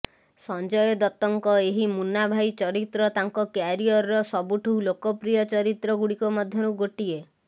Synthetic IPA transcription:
sɔnd͡ʒɔjɔd̪ɔt̪ɔŋkɔeɦimunabʱajt͡ʃɔɾit̪ɾɔt̪aŋkɔkjaɾiɔɾɔɾɔsɔbuʈʰulokɔpɾijɔt͡ʃɔɾit̪ɾɔɡuɽikɔmɔd̪ʱjɔɾuɡoʈie

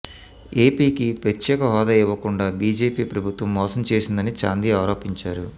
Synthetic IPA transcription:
e̞ːpiːkipɾɐt͡ʃːɛːkɐɦɔːd̪ɐiʋːɐkuɳɖaːbiːd͡ʒe̞ːpiːpɾɐbʱut̪ʋɐmːɔːsɐmt͡ʃe̞ːsind̪ɐnit͡ʃa̰ːnd̪iaːɾo̞ːpiɲt͡ʃaːɾu

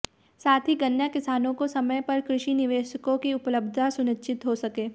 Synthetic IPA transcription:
saːt̪ʰiɡɐnjakɪsaːnõkosɐməjpɐɾkɾɪʃinɪʋeːʃəkõkiʊpləbd̪ʱasʊnɪtːʃɪt̪ɦosɐkeː

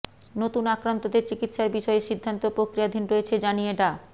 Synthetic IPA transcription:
not̪unakɾant̪od̪eɾt͡ɕikit̪ʃaɾbiʃɔeʃid̪ʱːant̪opɾokɾijad̪ʱinɾojet͡ɕʰed͡ʑanijeɖa

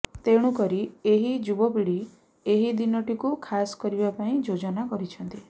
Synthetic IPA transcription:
t̪eɽ̃ũkɔɾieɦid͡ʒubɔpiɽi | eɦid̪inɔʈikukʰasɔ̥kɔɾibapaĩd͡ʒod͡ʒɔnakɔɾit͡ʃʰɔnt̪i

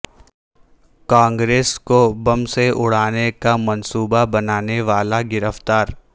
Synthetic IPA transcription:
kãːŋɡɾeːskobɐmseʔʊɽ̤aːnekamɐnsuːbabɐnaːneʋaːlaɡɪɾəft̪aːɾ

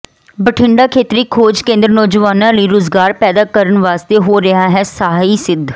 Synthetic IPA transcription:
bəʈʰɪɳɖaːkʰeːt̪ɾiːkʰoːd͡ʒkẽːnd̪ɾnɔːd͡ʒʋaːnãːləiːɾʊzɡaːɾpɛːd̪aːkəɾənʋaːst̪eːɦoːɾɪɦaːɦɛːsaɦaːiːsɪd̪ʱ

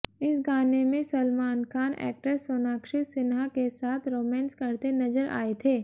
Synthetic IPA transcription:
ɪsɡaːnemẽsɐlmaːnkaːnɛ̰ːk̚ʈəɾsoːnaːkʃɪtsɪnɦakesaːt̪ʰɾoːmɛ̃ːnskɐɾt̪enɐzəɾʔa̰ːet̪ʰeː

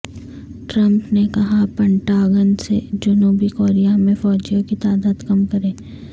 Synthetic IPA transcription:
ʈɾɐ̃mpnekɐɦapɐɳʈaːɡənsḛd͡ʒʊnuːbikoːɾijamẽfɔːd͡ʒjõkit̪aːd̪aːd̪kɐmkɐɾẽː

